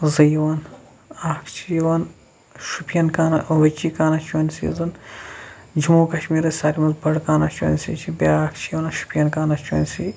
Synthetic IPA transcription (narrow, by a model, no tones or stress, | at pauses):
zɐjʋaːn | aːkʰt͡ʃʰijʋaːn | ʃupʰjɐnkaːnɐʔʋɐt͡ʃiːkaːnat͡ʃʰuːnʲsḭːzɨn | d͡ʒimuːkɐʃmiːɾɐsʲaːlʲimɐzbɐɽkaːnat͡ʃo̰nʲsḭːt͡ʃʰibʲaːaːkʰt͡ʃʰijwaːnɐʃu̥pʰʲjɐnkaːnɐt͡ʃʰo̰ːnʲsi